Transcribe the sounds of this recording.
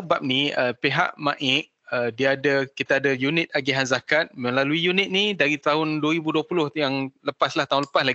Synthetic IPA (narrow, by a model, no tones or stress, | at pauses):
bap̚niəpeɦa̰ʔmãʔɪʔ̚ədiadəkit̪aadəjunɪt̪̚aɡiɦanzakat̪̚mə̃nlaluijunɪt̪̚nidaɾit̪aɦʊndwəɾibuduəpulʊhjaŋləpaslaht̪aɦʊnləpaslaɡ